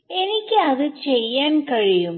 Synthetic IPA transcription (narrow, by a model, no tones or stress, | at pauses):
e̞nikʲːɨɐðɨt͡ɕejːaːnkɐɻijum